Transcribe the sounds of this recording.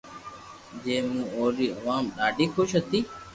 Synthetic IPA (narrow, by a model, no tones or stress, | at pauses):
d͡ʒeːmũːoːɾiːəʋaːmɗaːɖiːxʊʃɦət̪iː